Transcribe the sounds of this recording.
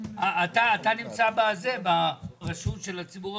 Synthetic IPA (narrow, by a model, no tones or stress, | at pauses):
aːt̪aːt̪animt͡sabaze̞baʁaʃutʃe̞lat͡sibuʁ